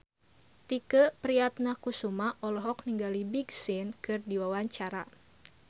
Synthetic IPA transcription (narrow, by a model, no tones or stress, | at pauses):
t̪ikəpɾiat̪̚nakusumaʔɔlɔɦɔk̚niŋɡalibiɡsɪnkɨrdiwawaɲt͡ʃaɾa